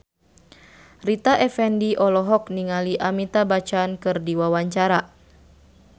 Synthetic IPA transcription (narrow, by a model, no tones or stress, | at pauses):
rit̪aʔɛfɛndiʔɔlɔɦɔk̚niŋaliʔamit̪abat͡ʃankɨrdiwawaɲt͡ʃaɾa